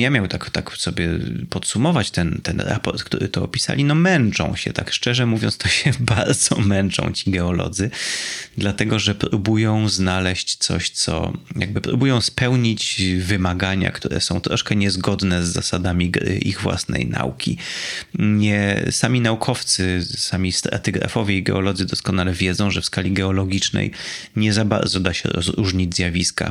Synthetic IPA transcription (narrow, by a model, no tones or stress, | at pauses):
jamʲjawɛ̃t̪akt̪aksɔbʲjɛpɔt̪sumɔvat͡ɕt̪ɛnt̪ɛnɾa̰pɔɾt̪kt̪ṵɾɘ̰t̪ɔɔpʲi̥sa̰lʲinɔmɛnt͡ʂɔ̰̃w̃ɕɛ̰t̪akʂt͡ʂɛʐɛmuvʲjɔnst̪ɔɕɛbaɾd̪zɔmɛnt͡ʂɔ̰̃w̃t͡ɕi̥ɡɛɔlɔ̰d̪zɘd̪lat̪ɛɡɔʐɛpɾubujɔ̃w̃znalɛɕt͡ɕt̪sɔ̰ɕt̪sɔ̰jaɡ̚bɘpɾubujɔ̃w̃spɛwɲit͡ɕvɘmaɡaɲa̰kt̪uɾɛ̰sɔ̃w̃t̪ɾɔʂkɛɲɛzɡɔd̪nɛzːa̰sad̪amʲiɡɾɘ̰ʔiɣvwa̰snɛ̰jna̰ukʲi | ɲɛsamʲinaukʰɔft̪sɘsamʲist̪ɾa̰t̪ɘɡɾa̰fɔvʲjɛiɡɛ̰ɔlɔd̪zɘd̪ɔskɔnalɛvʲjɛd̪zɔ̃w̃ʐɛfskalʲiɡɛɔlɔɡʲit͡ʂnɛ̰j | ɲɛzaba̰ɾd̪zɔd̪aɕɛ̰ɾɔ̰zɾuʐɲid͡ʑzʲjavʲiska̰